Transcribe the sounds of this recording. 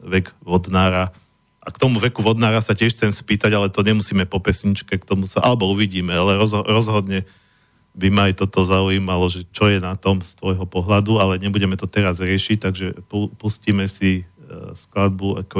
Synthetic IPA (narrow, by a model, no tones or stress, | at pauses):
ʋɛɡʋɔd̪naːɾa | ʔakt̪ɔmuʋɛkuʋɔd̪naːɾasacɪɛʃt͡sɛmspiːt̪aɟalɛt̪ɔɲɛmusiːmɛpɔpɛsɲit͡ʃkɛkt̪ɔmusaʔalɛbɔuʋiɟiːmɛalɛɾɔzɾɔzɦɔd̪ɲɛ | bimaajt̪ɔt̪ɔzauiːmalɔʒɛt͡ʃɔjɛnat̪ɔmst̪ʋɔjɦɔpɔɦlad̪ualɛɲɛbuɟɛmɛt̪ɔt̪ɛɾazɾɪɛʃic̚t̪aɡʒɛpupusciːmɛsisklad̪̚bua̰k